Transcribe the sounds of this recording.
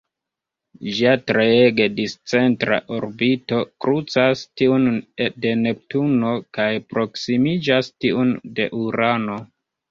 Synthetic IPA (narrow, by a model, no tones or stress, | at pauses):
ʒiatɾeeɡe̞dist͡se̞ntɾa̰ʔoɾbito̞kɾut͡sastiunede̞ne̞p̚tuno̞kajpɾo̞ksimid͡ʒastiunde̞ʔuɾano̞